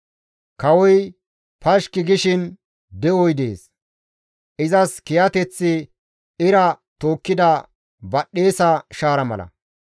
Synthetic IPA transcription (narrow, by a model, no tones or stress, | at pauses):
kɐwɔj | pɐʃkːɪɡɪʃɪn | d̪ɛɔjd̪ḛːs | ʔɪzɐskɪjɐt̪ɛt͡sːɪ | ɪɾɐ | t̪o̞ːkːɪd̪ɐ | bɐɗːe̞ːsɐʃaːɾɐmɐ̰lɐ̰